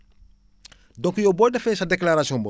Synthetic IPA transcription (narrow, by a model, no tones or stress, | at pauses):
dɔ̃ŋkujobɔːdafɛsadeklaɾasiɔ̃mbɔ